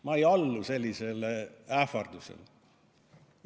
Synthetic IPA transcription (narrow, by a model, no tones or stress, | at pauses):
mɑejɑlːuse̞lʲːise̞læːfɑrd̪̥usḛl